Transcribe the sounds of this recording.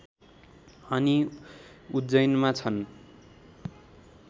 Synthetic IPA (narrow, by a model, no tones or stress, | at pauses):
ʌni | ud͡zʌjnmat͡sʰʌn